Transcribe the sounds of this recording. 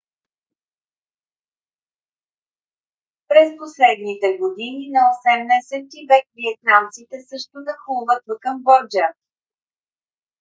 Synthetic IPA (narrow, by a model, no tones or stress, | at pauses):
pɾɛsposlɛd̪nit̪ɛɡod̪ininɐosɛmnɛsɛt̪ivɛkviɛt̪̚nant̪sit̪ɛsɤʃt̪onɐxulˠvət̪ːokəmbɔɾd͡ʒa